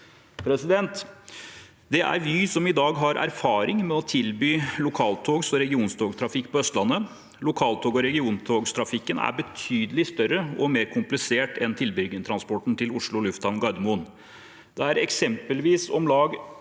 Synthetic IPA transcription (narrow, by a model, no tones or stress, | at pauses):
pʰɾɛsɪd̪ɛnt̪ | d̪ɛʔæ̰ɾʋɪsɔmɪd̪ɑːɡɦɑɾʔæ̰ɾfɑːɾɪŋmɛɔt̪ʰɪlbyːlʊkʰɑːlt̪ʰoːɡsɔɾɛɡɪuːnst̪ʰoːɡt̪ʰɾɑfɪkːpʰɔœst̪lɑnːə | lʊkʰɑːlt̪ʰoːɡɔɾɛɡɪuːnt̪ʰoːɡst̪ʰɾɑfɪkːənæ̰bət̪ʰyːd̪əlɪst̪œɾəɔmeːɾkʰʊmplɪseːʈʰɛnt̪ʰɪlbʏɡɪt̪ʰɾɑnspɔʈn̩t̪ʰɪlʊʂɭʊlʉft̪ɑnɡɑd̪mʊn | d̪̥ɛæɾɛksɛmpəlʋiːsɔmlɑːɡ